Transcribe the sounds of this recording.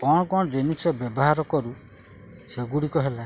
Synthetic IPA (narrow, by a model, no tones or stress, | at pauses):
kɔɽ̃ɔkɔɽ̃ɔd͡ʒenusebjɔbɔɦaɾɔkɔɾu | seɡuɽikɔɦela